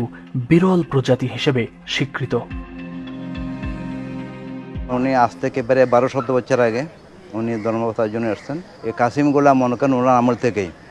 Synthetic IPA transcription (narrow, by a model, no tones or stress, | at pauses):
biɾɔlpɾod͡ʑat̪iɦiʃebe | ʃikɾit̪o | uniast̪ʰekebaɾbaɾoʃɔd̪obɔtːʃʰaɾaɡe | unid̪ʱɔɾmabɔt̪aɾd͡ʑonːeaʃt̪ʰen | ekasimɡulamɔnokanunanamult̪ʰekej